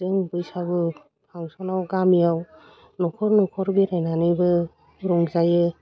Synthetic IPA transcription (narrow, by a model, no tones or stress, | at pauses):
zɯŋbɯisabɯ | pʰaŋsɔnawɡamijaw | nɔkʰɔɾnɔkʰɔɾbiɾajnanɯjbɯ | ɾɔŋzajɯ